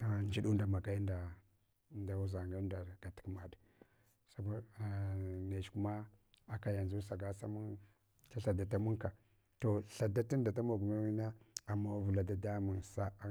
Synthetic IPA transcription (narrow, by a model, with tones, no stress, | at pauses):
a˨n˦d͡ʒi˦ɗu˦nda˨ma˨ɡa˦jnda˨ | nda˨wu˦za˨ŋɡa˦nda˨ɾɡ̥a˨ti̥˦kma˨d | sa˨˦ka˦˨ | ne˨t͡ʃku˦ma˦a˦ka˦ja˨nzu˦sa˨ɡa˦sa˦mu˦n | ta˦ɬa˨da˨ta˦mu˦ŋka˨ | to˨ɬa˨da˦ti˦n˦da˨ta˦mo˨ɡu˨ma˦wi˦na˦a˨ma˦vu˨la˨da˨da˦mi˨nsa˦